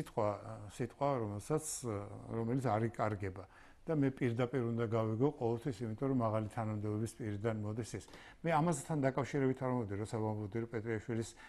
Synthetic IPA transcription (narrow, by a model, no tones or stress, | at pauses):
it̪ʼqʼwasit̪ʼqʼwaɾɔmɛlˠsat̪sʰɾɔmɛlit̪sʰaɾikʼaɾɡɛba | d̪̥amɛpʼiɾd̪apʼiɾund̪aɡaviɡɔqʼɔvɛlˠt̪ʰwisimit̪ʼɔɾɔmaʁalit̪ʰanamd̪ɛbɔbispʼiɾid̪anmɔd̪isɛs | mɛamast̪ʰand̪akʼafʃiɾɛbit̪ʰaɾmɔd̪iɾɔsʰavamlɔd̪iɾɔpʼɛt̪ʼɾiaʃwilis